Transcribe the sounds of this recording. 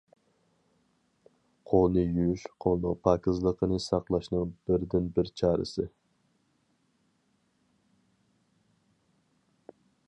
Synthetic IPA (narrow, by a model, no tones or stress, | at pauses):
qʰolˠnɨjyʃqʰolˠnɨpʰɑkɪzlˠəqʰənɨsɑqlˠɑʃnɨŋb̥ɪɾd̪ɪnbɪɾt͡ʃʰɑːɾɨ̰sɨ